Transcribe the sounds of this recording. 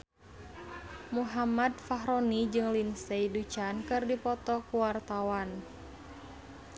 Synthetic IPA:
muɦamadfaɦɾɔnid͡ʒɨŋlinsejdut͡ʃankɨrdipɔt̪ɔkuwart̪awan

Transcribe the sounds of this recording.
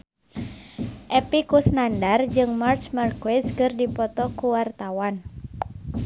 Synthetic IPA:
ʔɛpikusnandard͡ʒɨŋmart͡ʃmarkwɛskɨrdipɔt̪ɔkuwart̪awan

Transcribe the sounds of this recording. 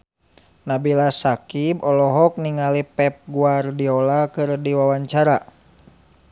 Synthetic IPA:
nabilasakibɔlɔɦɔk̚niŋalipɛp̚ɡuardiɔlakɨrdiwawaɲt͡ʃaɾa

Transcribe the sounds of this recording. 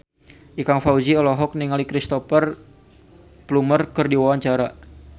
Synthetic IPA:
ʔikaŋfaud͡ʒiɔlɔɦɔk̚niŋalikɾist̪ɔfər | plumərkərdiwawaɲt͡ʃaɾa

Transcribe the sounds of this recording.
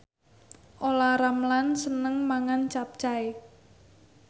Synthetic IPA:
ʔolaɾamlansənəŋmaŋant͡ʃap̚t͡ʃae

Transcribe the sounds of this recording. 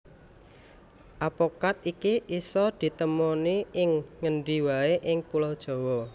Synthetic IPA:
ʔapokat̪̚ikiʔisɔd̪̥i̤t̪əmoniʔɪŋːəɳɖiwaeʔɪŋpulɔd̥ʒ̥ɔ̤wɔ

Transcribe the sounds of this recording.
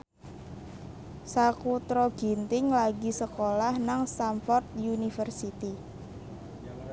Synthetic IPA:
sakut̪ɾɔɡ̥int̪ɪŋlaɡisəkolahnaŋst̪amfɔrt̪̚junifərsit̪i

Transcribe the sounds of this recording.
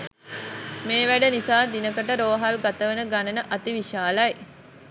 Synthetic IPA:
meːʋæɖənisaːd̪inəkəʈəɾoːɦalɡat̪əʋənəɡanənəʔat̪iʋiʃaːlaj

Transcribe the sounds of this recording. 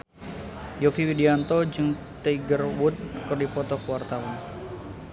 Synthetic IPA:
jofiwidiant̪ɔd͡ʒɨŋ | t̪eiɡərwʊt̪̚kɨrdipɔt̪ɔkəwart̪awan

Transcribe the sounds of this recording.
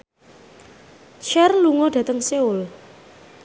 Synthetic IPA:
t͡ʃɛrluŋɔɖ̥ä̤t̪əŋseʊl

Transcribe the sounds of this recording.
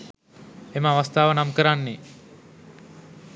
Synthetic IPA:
eməaʋast̪aːʋənamkəɾanːe

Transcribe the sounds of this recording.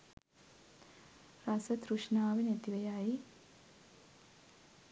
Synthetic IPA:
rasət̪ɾuʃnaːʋenet̪iʋejaji

